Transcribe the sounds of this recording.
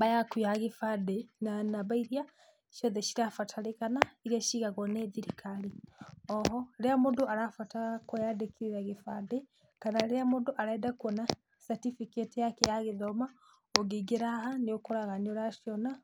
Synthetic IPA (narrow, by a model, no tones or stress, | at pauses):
bajakwiaɣifadenanaβaiɾia | ʃɔðeʃiɾafatʰalekanaiɾiaʃiɣaɣɔneðiɾikʰaliɔɦɔɾeamodoaɾafatakojadekiɾiɾaɣifade | kanaɾeamodoʔaɾaɛdakuɔna | satifiketijakejaɣeðoma | oɡiɡeɾahaniokoɾaɣanoɾaʃiɔna